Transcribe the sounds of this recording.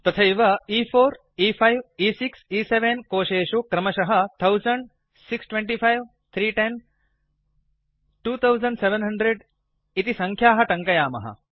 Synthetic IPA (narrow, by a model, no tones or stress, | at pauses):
t̪ɐt̪ʰɐiʋɐiːfʰoːɾ | iːpʰajʋiːsiksiːseʋenkoːʃeːʃukɾɐmɐʃɐɦɐt̪ʰɐwzɐɳɖ | siksʈʋeɳʈiːpʰajʋ | t̪ʰɾiːʈen | ʈuːt̪ʰɐwzɐɳɖseʋenɦɐɳɖɾeɖ | it̪isɐ̃ŋkʰjaːɦɐʈɐ̃ŋkɐjaːmɐ̰ɦɐ̰